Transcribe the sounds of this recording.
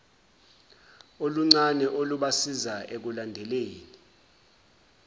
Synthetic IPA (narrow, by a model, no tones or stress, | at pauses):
oluŋ͡ǀanɛʔoluɓasizaʔek̬ulandʱɛleːni